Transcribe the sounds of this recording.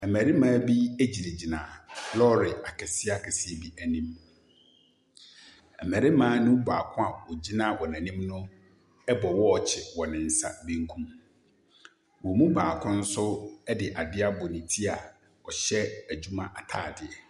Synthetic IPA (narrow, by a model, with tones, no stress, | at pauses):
ɛ˨mæ˨ɾi˦mãː˨˦bi˦e˦d͡ʑi˨ɾe˨d͡ʑi˨nã̰˨lɔ˦ɾɪ˨a˨kʰɛ˨sɪ˦a˦kʰɛ˨sɪ˦e˨bi˦ʔæ˨nĩ˦m | ɛ˨mæ˨ɾɪ˦mãː˦nɪ̃˦baː˨kʰʊ̃˦a˨wɔ˨d͡ʑi˦nã˦wɔ˨næ̃˨nĩ˦mnʊ̃˦ | ɛ˦bɔ˨wɔ˦˨t͡ɕʰɪ˨wɔ˨nɪ̃˨n̩˨sa̰˦bĩ˦ŋ̩˦kʰũ˦m | wɔ˨mũ˦baː˨kʰʊ̃˦n̩˦sʊ˦ɛ˦dɪ˨ʔa˨dɪ˦a˦bɔ˨nĩ˨tʰi˦a˨ | ɔ˨ɕɛ˦æ˨d͡ʑu˦mã˦ʔa˨tʰa̰ː˦˨dɪ˨ɛ˨